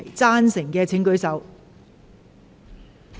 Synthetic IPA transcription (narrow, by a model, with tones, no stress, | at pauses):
jt͡saː˥nsɪ˨˩ŋkɛː˧t͡sʰɪ˨˥ŋkɵ˨˥ɥsɐ˨˥w